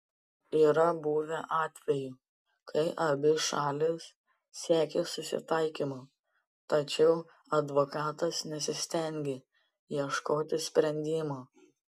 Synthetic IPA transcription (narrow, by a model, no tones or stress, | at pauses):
iːɾɐbuːʋʲɛʔɑːt̪ʲʋʲɛjuː | kʰɐɪʔɐbʲɪʃɑːlʲɪs | sʲæːkʲesʊsʲɪ̰t̪ɐɪkʲimoː | t̪ɐt͡ʃʲɛʊ | ɐd̪ʋokɑːt̪ɐsnʲɛsʲɪsʲt̪ʲɛŋʲɡʲɪ | jiɛʃkoːt̪ʲɪsʲpʲɾʲɛnʲd̪ʲɪmoː